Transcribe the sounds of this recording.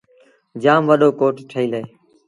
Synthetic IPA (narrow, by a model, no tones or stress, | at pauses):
d͡ʒaːmʋəɗoːkoːʈʈʰəiːləeː